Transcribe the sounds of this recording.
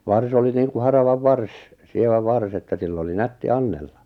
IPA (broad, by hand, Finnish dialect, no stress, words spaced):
ʋɑrs oli niːŋku hɑrɑʋɑʋ ʋɑrs sieʋæ ʋɑrs etːæ silː oli nætːi ɑnːelːɑ